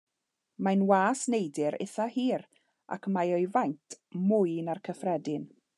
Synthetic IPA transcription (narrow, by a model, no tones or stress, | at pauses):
majnwaːsnejdɪɾɪ̰θahiːr | ʔa̰kʰmajɔjvajntʰmʊɨnarkʰəfrɛdɪn